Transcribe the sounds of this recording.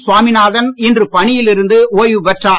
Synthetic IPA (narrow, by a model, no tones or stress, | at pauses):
sʊʋaːmɪnaːðɐnɪndrɯpɐɳɪjɪlɪɾɯnd̪ɯoːjʋɯʋɛʈraː